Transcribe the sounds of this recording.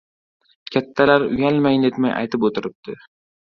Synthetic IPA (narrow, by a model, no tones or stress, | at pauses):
kʲʰat̪ʰːalaɾʊjalmajnd̪et̪maja̰jt̪ʰɪpot̪ʰɪɾɪp̚d̪̥ɪ